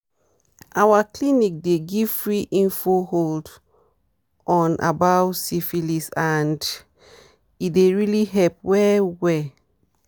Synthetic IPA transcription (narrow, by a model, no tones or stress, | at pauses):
awaklinik̚deɡiv̥fɹiʔĩnfohold | ɔ̃nʔa̰bawtsifilisand | ideɹiliɦɛlpwɛwɛ